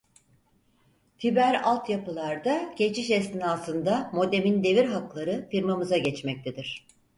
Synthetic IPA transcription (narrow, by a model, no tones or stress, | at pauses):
t̪ʰibæɾalˠt̪japɯlˠaɾd̪aɟ̥e̞t͡ʃʰiʃɛst̪inalˠsɯnd̪amo̞d̪e̞mind̪e̞viɾɦaklˠaɾɯfiɾmamɯzaɟɛt͡ʃmɛc̚t̪ʰed̪iɾ̝̥